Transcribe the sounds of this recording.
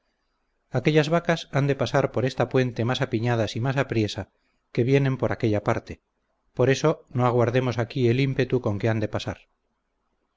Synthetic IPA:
ake̞ʎazβakasand̪e̞pasaɾpo̞ɾe̞st̪apwe̞nt̪e̞masapiɲað̞asimasapɾje̞sa | ke̞βje̞nẽ̞mpo̞ɾake̞ʎapaɾt̪e̞ | po̞ɾe̞so̞noaɣwaɾðe̞mo̞sakie̞limpe̞t̪uko̞ŋke̞and̪e̞pasaɾ

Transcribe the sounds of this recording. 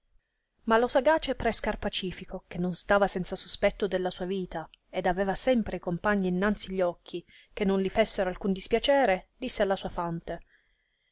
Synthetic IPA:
malosaɡaːt͡ʃepɾɛskarpat͡ʃiːfikok̟enːonst̪aːvasɛnt̪sasospɛt̪ːod̪elːasuːaviːt̪aed̪avɛːvasɛmpɾekompaɲːiːnːant̪siʎːɔkʰːi | k̟enːonlifesːeɾoalkund̪ispjat͡ʃɛːɾed̪isːealːasuːafant̪e

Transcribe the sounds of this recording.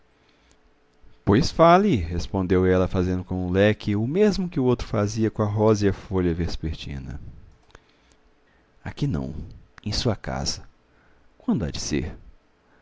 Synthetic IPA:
pojsfalɪhespõnd̪ewɛlɐfazẽnd̪ʊkõũlɛkʰɪʊmezmʊkɪʊowt̪ɾʊfaziɐkõɐɦɔziɐfoʎɐvespeɾt͡ʃḭ̃nɐ̰ | akinɐ̰̃w̃ẽj̃suɐka̰z̥ɐ | kwɐ̃nd̪ʊa̰d͡ʒɪsḛɾ

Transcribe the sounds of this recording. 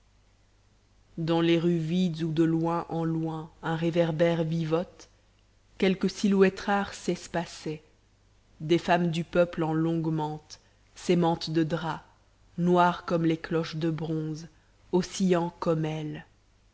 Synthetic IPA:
d̪ɑ̃leʁyvid̪zud̪əlwɛ̃ʔɑ̃lwɛ̃ɛ̃ʁevɛʁbɛʁvivɔt̪ | kʲɛlkəsilwɛt̪χaʁsɛspasɛ | d̪efamd̪ypœplɑ̃lɔ̃ɡmɑ̃t̪ | semɑ̃t̪d̪əd̪ʁa | nwaʁkɔmleklɔʃd̪əbʁɔ̃z | osiɑ̃kɔmɛl

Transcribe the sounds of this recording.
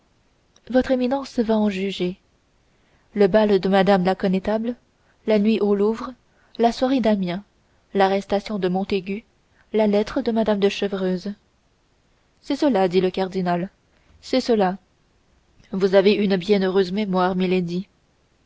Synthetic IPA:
vɔt̪χeminɑ̃svaɑ̃ʒyʒe | ləbald̪əmad̪amlakɔnet̪abl | lanɥiʔoluvʁə | laswaʁed̪amjɛ̃ | laʁɛst̪asjɔ̃d̪əmɔ̃t̪eɡʲy | lalɛt̪χəd̪əmad̪amd̪əʃəvʁøːz | sɛsəlad̪iləkaʁd̪inal | sɛsəla | vuzaveynbjɛ̃nøʁøzmɛmwaʁmiled̪i

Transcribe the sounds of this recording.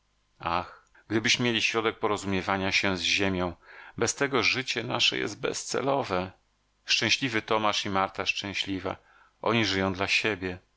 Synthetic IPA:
ax | ɡd̪ɘbɘɕmʲːjelʲiɕɾɔd̪ɛk̚pɔɾɔzumʲjɛvaɲaɕɛzʑemʲjɔ̃w̃bɛst̪ɛɡɔʐɘt͡ɕɛna̰ʂɛ̰jɛ̰zt̪̚bɛ̰st̪sɛ̰lɔvɛ | ʂt͡ʂɛ̃w̃ɕlʲivɘt̪ɔmaʂimaɾt̪aʂt͡ʂɛ̃w̃ɕlʲiva̰ | ʔɔ̰ɲiʐɘjɔ̃w̃d̪laɕebʲjɛ

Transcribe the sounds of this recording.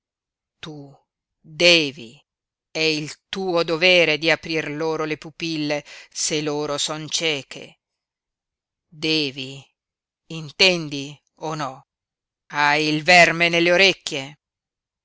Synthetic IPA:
t̪u | d̪ɛːvḭ | ɛilt̪uːod̪ovɛːɾed̪iapɾirloːɾolepupilːeseloːɾosɔnt͡ʃɛːkʰḛ | d̪ɛːvi | int̪ɛnd̪i | onɔ | ajilvɛrmenelːeoɾekːje

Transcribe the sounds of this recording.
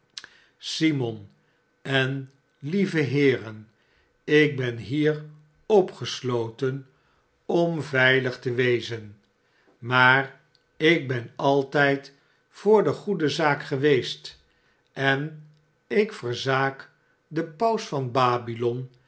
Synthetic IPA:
simɔn | ɛn | livəɦɪːrən | ɪk̚bɛnɦiːr | ɔpχəslowtən | ɔmvɛjləχtəʋejzən | maːr | ɪɡ̚bɛnɑlˠtɛjt | fʊːɹdəχudəzaːkχəʋejst | ʔɛn | ɪkfəɹzaːk | dəpʌwsfɑnbaːbilɔn

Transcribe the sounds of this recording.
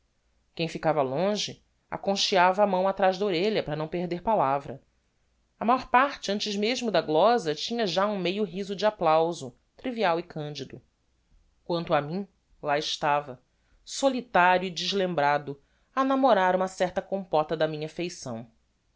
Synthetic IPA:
kẽj̃fikavɐlõʒɪ | a̰kõʃiavɐːmɐ̃w̃at̪ɾaʒd̪ɐoɾeʎɐpɾɐnɐ̃w̃peɦd̪eɾpalavɾɐ̰ | ɐmajɔɾpaɾt͡ʃɪɐ̃nt͡ʃɪʒmeʒmʊd̪ɐɡlɔzɐt͡ʃĩɲɐʒaũmejʊɦizʊd͡ʒɪaplawzʊ | t̪ɾiviawikʰɐ̃nd͡ʒid̪ʊ | kwɐ̃nt̪ʊɐmĩ | laɪʃt̪avɐ | solit̪aɾjʊid͡ʒɪʒlẽmbɾad̪ʊ | anamoɾaɾũmɐsɛht̪ɐkõmpɔt̪ɐd̪ɐmĩɲɐfejsɐ̰̃w̃

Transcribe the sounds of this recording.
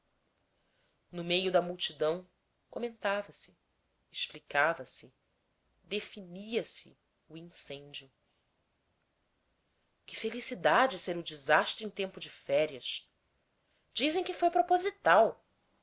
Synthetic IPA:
nʊmejʊd̪ɐmuwt͡ʃid̪ɐ̃w̃ | komẽnt̪avɐsɪ̥ | eʃplikavɐsɪ | d̪efiniɐsɪ | uĩsẽɲd͡ʒjʊ | kɪ̥felisid̪ad͡ʒɪseɾʊd͡ʒɪzaʃt̪ɾẽt̪ẽmpʊd͡ʒɪfɛɾiɐʃ | d͡ʒizẽj̃kɪfojpɾopozit̪aw

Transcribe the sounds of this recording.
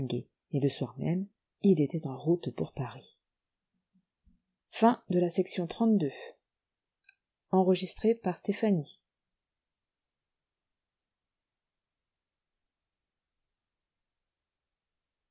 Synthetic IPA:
ɡḛ | eləswaʁmɛ̰m | ilet̪ɛt̪ɑ̃ʁut̪puʁpaʁi | fɛ̃d̪əlasɛksjɔ̃t̪χɑ̃t̪̚d̪ø | ɑ̃ʁəʒist̪χepaʁst̪efani

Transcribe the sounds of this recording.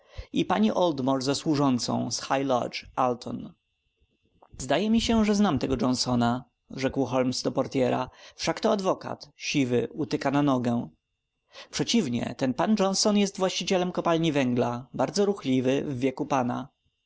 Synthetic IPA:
ipaɲiʔɔld̪mɔɾzaswuʐɔnt̪sɔ̰̃w̃sxajlaɔ̰t͡ʂalt̪ʰɔ̰n | zd̪ajɛmʲiɕɛʐɛznamt̪ɛɡɔd͡ʐɔnsɔna | ʐɛkwxɔlmsd̪ɔpɔɾt̪ʲjɛɾa̰fʂakt̪ɔad̪vɔka̰t̪ɕivɘut̪ɘkananɔɡɛ | pʂɛt͡ɕivɲɛ̰t̪ɛnpand͡ʐɔnsɔnjɛst̪vwaɕt͡ɕit͡ɕɛlɛmkɔpalɲivɛŋɡlabaɾd̪zɔɾuxlʲivɘvːjɛkupana

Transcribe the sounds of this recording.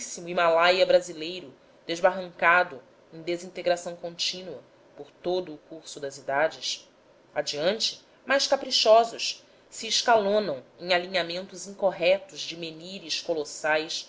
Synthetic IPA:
simʊimalajɐbɾazilejɾʊ | d̪̥eʒbaɦɐ̃ŋkad̪ʊ | ẽj̃d̪ezĩnt̪eɡɾasɐ̃w̃kõnt͡ʃĩnuɐ | poɾt̪od̪ʊːkuɾsʊd̪ɐzid̪ad͡ʒɪs | ad͡ʒiɐ̃nt͡ʃɪ̥ | majʃkapɾiʃɔzʊʃ | siːʃkalõnɐ̃w̃ẽj̃alĩɲamẽnt̪ʊzĩŋkoɦɛt̪ʊzd͡ʒɪmeniɾiʃkolosajs

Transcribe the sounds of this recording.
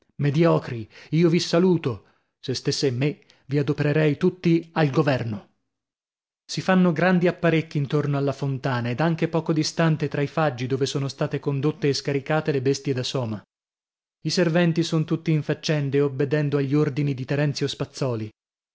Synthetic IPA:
med̪jɔːkɾiiːovisaluːt̪o | sest̪esːemːe | viad̪opeɾeɾɛjt̪ut̪ːialɡovɛrno | sifanːoɡɾand̪iapːaɾekːiːnt̪ornoalːafont̪aːnaed̪aŋk̟epɔːkod̪ist̪ant̪et̪ɾaifad͡ʒːid̪oːvesoːnost̪aːt̪ekond̪ot̪ːeːskaɾikaːt̪elebest̪jed̪asɔːma | iservɛnt̪isont̪ut̪ːiːɱfat͡ʃːɛnd̪eobːed̪ɛnd̪oaʎːiord̪inid̪it̪eɾɛnt̪sjospat̪sːɔːli

